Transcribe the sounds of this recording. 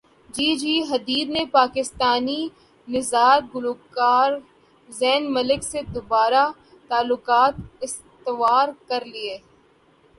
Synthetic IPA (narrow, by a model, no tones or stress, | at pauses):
d͡ʒiːd͡ʒiːɦɐd̪iːɾnepaːkɪst̪aːni | nɪzaːɾɡʊloːkaːɾ | zɛːnmɐlɪksed̪obaːɾa | t̪aːlʊkaːt̪̚ɪs | t̪ɪʋaːɾkɐɾlieː